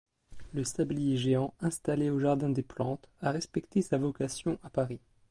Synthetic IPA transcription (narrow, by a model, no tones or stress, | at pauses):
ləsablijeʒeɑ̃ɛ̃st̪aleoʒaʁd̪ɛ̃d̪eplɑ̃t̪aʁɛspɛkt̪esavɔkasjɔ̃ʔapaʁi